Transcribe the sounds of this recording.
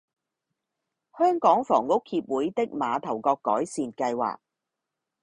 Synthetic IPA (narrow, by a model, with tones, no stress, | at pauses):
hœː˥ŋkɔː˨˥ŋfɔː˨˩ŋːʊ˥k̚hiː˧p̚wuː˨˥jt̪ɪ˥k̚maː˨˧t̪ʰɐ˨˩wkɔː˧kːɔ̰ː˨˥jsiː˨nkɐ˧jwa̰ː˨˩k̚